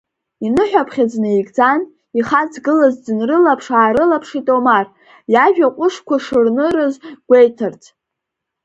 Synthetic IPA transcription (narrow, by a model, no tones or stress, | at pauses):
inɨħʷᶣapʰχʲad͡znɨikʼd͡zan | iχat͡sʰɡɨlazdɨnrɨlapʰʂaːɾɨlapʰʂitʼomar | jaʒᶣaqʷʼʊʂkʷaʂɨrnɨɾɨzɡʷejtʰɨrt͡sʰʼ